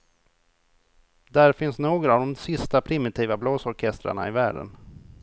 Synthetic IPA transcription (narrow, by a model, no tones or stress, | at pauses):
d̪æɾfɪnsnoːɡɾavd̪ɔmsɪst̪apʰɾɪmɪt̪ʰiːvabloːsɔɾkʰɛst̪ɾa̰ɳa̰ɪvæːɖə̰n